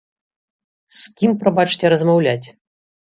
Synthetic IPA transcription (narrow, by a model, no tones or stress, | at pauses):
skʲimpɾɐbat͡ʂtʲɛɾɐzmɐwlʲætʲ